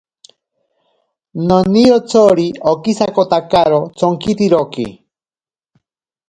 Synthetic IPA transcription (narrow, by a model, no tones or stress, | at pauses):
noniɾot͡sʰoɾiokisakot̪akaɾot͡sʰoŋkit̪iɾokḭ